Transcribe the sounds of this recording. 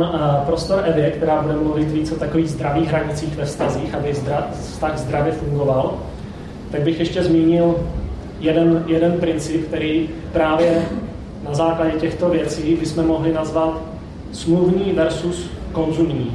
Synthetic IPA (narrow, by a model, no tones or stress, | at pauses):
pɾo̞st̪o̞ɾʔɛvɪɛkt̪ɛɾaːbudɛmluvɪt̪viːt͡sot̪akoviːɣzd̪ɾaviːɣɦɾaɲɪt͡siːxvɛfst̪aziːxabɪa | fst̪aɣzd̪ɾavjɛfuŋɡo̞val | t̪aɡ̚bɪxjɛʃcɛzmiːɲɪl | jɛdɛnjɛdɛnpɾɪnt͡sɪpk̚t̪ɛɾiː | pɾaːvjɛ | nazaːklaɟɛcɛxt̪o̞vjɛt͡siːbɪsmɛmo̞ɦlɪnazvat̪ | smluvɲiːvɛɾsus | ko̞nzumɲiː